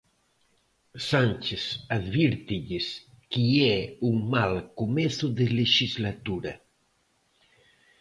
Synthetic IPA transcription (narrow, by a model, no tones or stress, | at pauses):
sanʲt͡ʃesaðβiɾt̪iʎɪs | kiɛuŋmalkomɛθʊðeleʃizlat̪uɾɐ